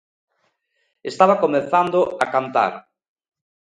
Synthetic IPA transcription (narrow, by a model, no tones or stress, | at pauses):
est̪aβakomeθand̪ʊakant̪a̰ɾ